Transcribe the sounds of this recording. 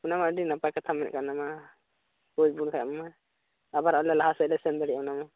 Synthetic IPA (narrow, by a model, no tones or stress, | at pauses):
unamaɖinapakat̪ʰamɛn̰kanama | kod͡ʒbunkʰaa̰mama | abaɾalɛlaɦasɛlɛsɛnd̪əɽiʔanama